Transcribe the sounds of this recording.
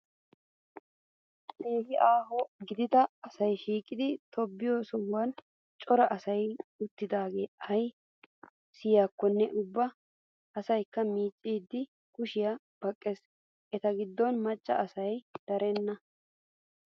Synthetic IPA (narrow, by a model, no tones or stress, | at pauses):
ʔeːɦɪʔaːɦɔɡɪd̪ɪd̪ɐɐsɐjʃiːkʼɪd̪ɪt̪ʰɔbːɪjoːsɔwːan | t͡ʃʼɔɾɐʔɐsɐjʊt̪ːɪd̪aːɡe̞ːɐj | sɪjaːkːɔnːɛʔʊbːɐ | ʔːsɐjkːɐmiːt͡ʃʼːiːd̪ːɪ | kʊʃɪja | b̥ɐkʼːes | ʔɛt̪ɐɡɪd̪ːɔnmɐt͡ʃʼːɐ̰ɐsɐjd̪̥ɐɾɛnːɐ